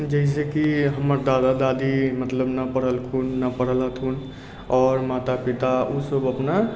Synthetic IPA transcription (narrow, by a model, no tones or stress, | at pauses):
d͡ʒəɦs̬ekiɦəməɾd̪ad̪ad̪ad̪imət̪ləbnəpəɽ̤əlkʰunːəpəɽ̤ələt̪ʰɦun | ɔːɾmat̪apit̪ausəbəpna